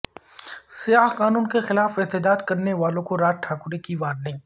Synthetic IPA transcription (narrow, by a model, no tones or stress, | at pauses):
sɪjaːɦqaːnuːnkexɪlaːfɪt̪ɪd͡ʒ̪aːd̪kɐɾneʋaːlõkoɾaːʈʰaːkʊɾekiʋaːɾnĩː